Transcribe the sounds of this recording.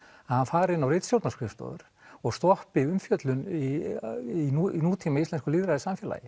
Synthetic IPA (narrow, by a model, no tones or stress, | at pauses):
aðhanfaːɾɪnːawrejt̪sjow̪t̪naskɾɪfst̪ɔ̰ðʏ̰ɾ̥ | ɔɣst̪ɔhpɪʏmfjœt̪lʏni | ininuːt̪ʰimaist̪ɛnkʏliːðɾaðɪsamfjɛːla̰jɪ